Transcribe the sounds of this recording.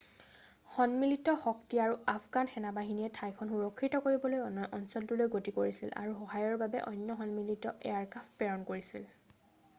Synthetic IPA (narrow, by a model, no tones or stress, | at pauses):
xɔnmilitɔxɔktiaɹuapʰɡanxɛnabaɦiniɛtʰajkʰɔnxuɹɔkʰːitɔkoɹibɔlojɔnʔɔnsɔltulojɡotikoɹisila̰ɹuxɔɦajɔɹbabɛ̰ʔɔ̰jnjɔɦɔnmilitɔʔɛaɹkapʰpɛɹɔnkoɹisḭl